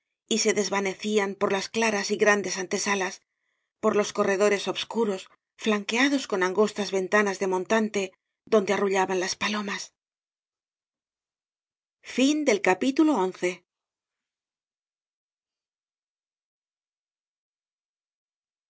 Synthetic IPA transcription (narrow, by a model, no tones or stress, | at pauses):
ise̞ðe̞zβane̞θiampo̞ɾlasklaɾasiɣɾand̪e̞sant̪e̞salas | po̞ɾlo̞sko̞re̞ðo̞ɾe̞so̞βskuɾo̞s | flaŋke̞aðo̞sko̞naŋɡo̞st̪azβe̞nt̪anazðe̞mõ̞nt̪ant̪e̞ | ðo̞nd̪e̞aruʎaβanlaspalo̞mas | find̪e̞lkapit̪ulo̞onθe̞